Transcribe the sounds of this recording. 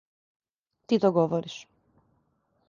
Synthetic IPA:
t̪it̪oɡovoɾis

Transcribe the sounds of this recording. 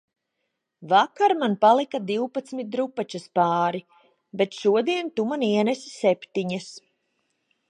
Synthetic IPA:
vakaɾmanpalˠikad̪iwpat̪smit̪̚ɾupat͡ʃaspaːɾi | bet̪ʃuɔd̪iɛnt̪umaniɛnesi̥sɛpʲt̪iɲas

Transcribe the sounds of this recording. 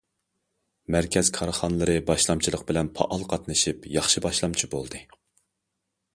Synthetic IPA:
mæɾkʲɛzkʰɑɾχɑnɨlˠɨɾɨbɑʃlˠɑmt͡ʃʰilˠəq̚bɪlɛnpʰɑ̰ʔɑlˠqʰɑt̪nɨʃipjɑχʃɨbɑʃlˠɑmt͡ʃʰibolˠd̪ɨ

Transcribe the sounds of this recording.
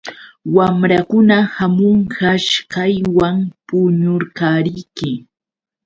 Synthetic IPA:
wamɾakʊnahamoɴhaʃkajwampʊɲʊɾkaːɾɪjkɪ

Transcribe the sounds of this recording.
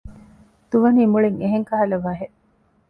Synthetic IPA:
d̪̥uʋɐniːmuɭiŋeɦeŋkɐɦɐlɐʋaːɦeʔ

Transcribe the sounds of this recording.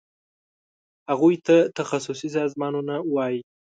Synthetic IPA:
haɣujt̪at̪axasusis̬ɑzmɑnunawɑji

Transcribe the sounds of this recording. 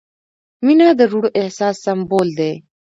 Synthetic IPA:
minãːd̪əɾuɽoʔehsaːsːɐmboːld̪eː

